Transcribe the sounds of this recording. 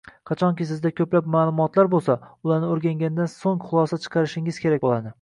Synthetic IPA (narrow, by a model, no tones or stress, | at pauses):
qʰɑt͡ʃʰɒŋkʲɪsɪzd̪akʲʰɵplap̚maːlˠʊmɒt̪laɾbolˠsaʊlˠaɾnɪoɾɡʲaŋɡʲand̪ansoŋχʊlˠɒsat͡ʃʰɨ̥qʰɑɾɪʃɪŋɪz̥kʲʰe̞ɾakʲbolˠad̪ɪ